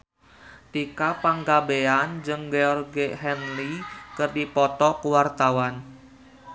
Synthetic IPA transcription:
t̪ikapaŋɡabeand͡ʒɨŋɡeɔrɡeɦɛnlikɨrdipɔt̪ɔkuwart̪awan

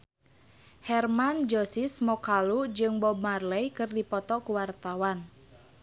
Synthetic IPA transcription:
hɛrmand͡ʒɔsismɔkalud͡ʒɨŋbɔbmarlɛjkɨrdipɔt̪ɔkuwart̪awan

